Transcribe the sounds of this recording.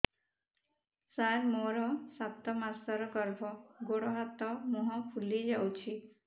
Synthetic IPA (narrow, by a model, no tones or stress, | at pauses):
saɾmoɾɔsat̪ɔmasaɾɔɡɔɾbʱɔɡoɽɔɦat̪ɔmoɦɔ̃pʰulid͡ʒawt͡ʃʰi